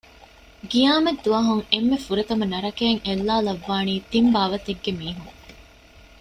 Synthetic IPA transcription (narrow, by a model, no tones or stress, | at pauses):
ɡijaːmɐd̪ːuɐɦuŋemːefuɾet̪ɐmɐnɐɾɐkeːŋelːaːlɐʋːaːniːt̪imbaːʋɐt̪eɡːemiːɦuŋ